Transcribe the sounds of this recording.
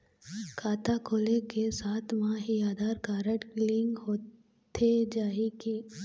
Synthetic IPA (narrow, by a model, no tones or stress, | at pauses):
kʰaːt̪akʰoːlekesaːt̪ʰmãɦiaːd̪aːɾkaːɾəʈklɪ̃ŋɡɦoː | t̪ʰed͡ʒaːiki